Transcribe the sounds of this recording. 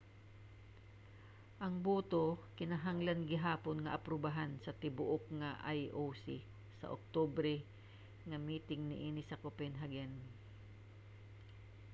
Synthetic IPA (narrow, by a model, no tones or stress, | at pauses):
ʔɐŋbuːt̪okɪnɐɦaŋlanɡɪɦaːponŋɐʔɐpɾʊbaɦansɐt̪ɪbʊʔokŋaʔajʔowsi | sɐ̰ʔok̚t̪obɾɛ | ŋɐmiːt̪ɪŋnɪʔiːnɪsɐkopɛnɦaɡɛn